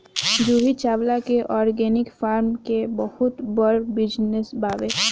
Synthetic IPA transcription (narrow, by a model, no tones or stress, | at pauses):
d͡ʒuːɦit͡ʃaːblakeʔɔːɾɡɛːnɪkfaːɾmkebəhʊt̪bəɾbɪd͡ʒnesbaːʋeː